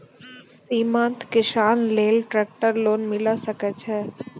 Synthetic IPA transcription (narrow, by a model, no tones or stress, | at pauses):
siːmãnt̪kɪʃaːnleːlʈɾɛːk̚ʈəɾloːnmɪlasəkɛt͡ʃʰɛː